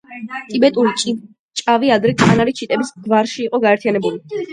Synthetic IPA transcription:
t̪ʼibɛt̪ʼuɾit͡ʃʼ | t͡ʃʼaviad̪ɾɛkʼanaɾit͡ʃʰit̪ʼɛbisɡvaɾʃiːqʼɔɡaɛɾt̪ʰijanɛbuli

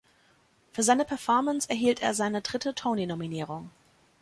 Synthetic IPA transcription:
fyːɐzaɪnəpʰɛɐfɔɐmənsɛɐɦiːltḛːɐzaɪnədʁɪtətʰɔoʊninominiːʁ̞ʊŋ

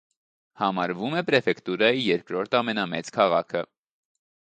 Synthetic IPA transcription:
hɑmɑɾvumɛpɾɛfɛkt̪uɾɑjijɛɾkɾɔɾt̪ʰɑmɛnɑmɛ̰t͡skʰɑʁɑkʰə

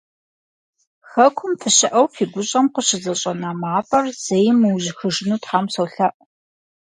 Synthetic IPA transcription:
xɐkʷʰʊmfɨɕɪʔɐwfiːɡʷʊɕʼɐmqəɕɪzɐɕʼɐnaːmaːfʼɐrz̥ejɪmɨwʒxɨʐɪnuːtħaːmsowɬɐʔ

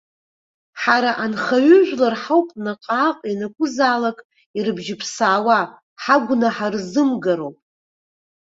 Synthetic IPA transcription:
ħaɾaʔanχaɥʏʒᶣʷlarħawpʼnaqʼaːqʼinakʷʼʊzaːlakʼ | iɾɨbʒɪpʰsaːwa | ħaɡʷnaħarzɨmɡaɾowpʼ

